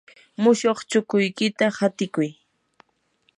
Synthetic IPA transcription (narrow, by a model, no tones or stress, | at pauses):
mʊʃoχt͡ʃʊkʊjkɪt̪ahat̪ɪkʊj